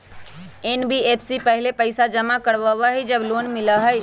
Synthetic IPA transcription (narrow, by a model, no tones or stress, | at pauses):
enbieːpʰsipəɦlepəɪsad͡ʒəmakəɽbəʋaɦid͡ʒəbloːnmɪləɦəj